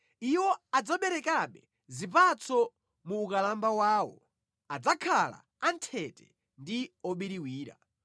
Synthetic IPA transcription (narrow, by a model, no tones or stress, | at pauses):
iwɔad͡zaɓɛɾɛkaɓɛ | zipat͡sɔ | muːkalambawaːwɔ̰ | ad͡zakʰala̰ | antʰɛtɛ | ndiɔɓiɾiwiːɾa̰